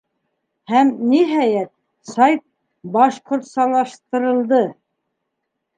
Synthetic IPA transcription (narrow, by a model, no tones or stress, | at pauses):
hæmniɦæjæt̪̚ | sɑjt̪̚ | bɑʃqŏɾt̪sɑlˠɑʃt̪ɤ̆ɾɤ̆lˠd̪ɤ